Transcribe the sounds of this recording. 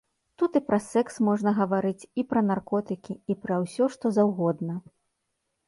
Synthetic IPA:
t̪ut̪ɨpɾʔɐsɛksmɔʐnɐɣɐvaɾɨt͡sʲipɾɐnarkɔt̪ɨkʲiipɾɐwsʲɔʂt̪ɔzawɣɔd̪nɐ

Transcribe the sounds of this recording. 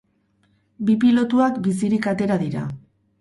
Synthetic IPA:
bipilo̞t̪uakbis̬iɾikat̪e̞ɾaðiɾa̰

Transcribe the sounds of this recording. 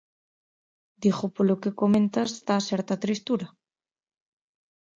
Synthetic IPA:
d̪ixopolokekomẽnt̪ast̪asɛɾt̪at̪ɾist̪uɾa

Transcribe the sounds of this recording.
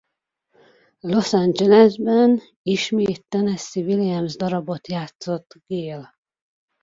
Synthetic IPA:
lo̞sand͡ʒɛlɛzbɛn | iʃmeːt̪ːɛnɛsivilijɛmzd̪ɒɾɒbot̪jaːt̪so̞t̪ːɡ̥eːl

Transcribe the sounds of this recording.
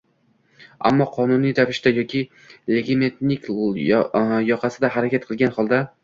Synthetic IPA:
a̰mːɒqʰɒnʊnijɾavɪʃt̪ajɒkʲʰɪ | leɡʲeme̞t̪nɪkʲ | jɒqʰɑsɪd̪aɦaɾakʲat̪̚qʰɨlˠɡʲanχɒlˠd̪a

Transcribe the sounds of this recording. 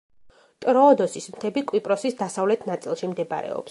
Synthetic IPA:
t̪ʼɾɔːd̪ɔsismt̪ʰɛbikʼwipʼɾɔsisd̪asavlɛt̪ʰnat̪sʼilˠʃimd̪ɛba̰ɾɛ̰ɔ̰ps

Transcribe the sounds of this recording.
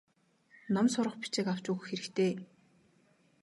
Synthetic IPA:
nɔmsʊɾə̆χpi̥t͡ɕĕkaw̥t͡ɕuɣ̆xeɾɘ̆kt̪ʰeː

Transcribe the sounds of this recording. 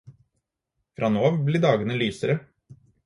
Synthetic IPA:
fɾʔɑːnoːɑʋbliːɖɑːɡənəlyːsəɾə

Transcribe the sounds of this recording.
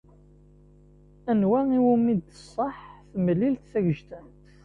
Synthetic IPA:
ænwæiwumid̪θəsˤːɑħθəməlːilt̪θæʝəʒt̪ənt̪

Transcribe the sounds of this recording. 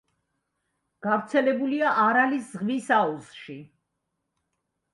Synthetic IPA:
ɡ̥avɾt̪sʰɛlɛbuliaʔaɾaliszʁvisauzʃi

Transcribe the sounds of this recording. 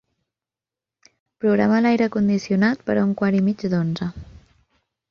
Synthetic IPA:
pɾuɣɾa̰məlajɾəkund̪isiunat̪̚pəɾauŋkwaɾimid͡ʒd̪onzə

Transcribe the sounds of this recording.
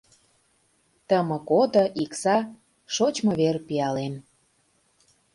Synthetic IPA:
t̪əmə̆kod̪ɤ̆ʔiksɑ | ʃot͡ɕmɤβerpiɑlem

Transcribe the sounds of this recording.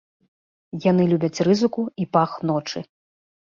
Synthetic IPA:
janɨlʲubʲɐt͡sʲrɨzɨkuipaxnɔt͡ʂɨ

